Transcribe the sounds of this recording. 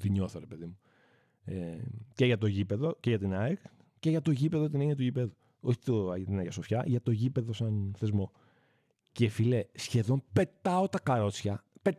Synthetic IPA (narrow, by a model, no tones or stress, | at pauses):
t̪iɲo̞θoɾepe̞ðimu | eceʝɐt̪o̞ʝipe̞ðo̞ceʝɐt̪inɐek | ce̞ʝɐt̪o̞ʝipe̞ðot̪ineɲiɐt̪uʝipe̞ðu | oçi̥t̪ojɐt̪inɐʝɐso̞fçɐʝɐt̪oʝipe̞ðo̞sɐnθe̞zmo̞ | ce̞file̞sçe̞ðo̞mpe̞t̪ɐo̞t̪ɐkɐɾo̞t͡sçɐpe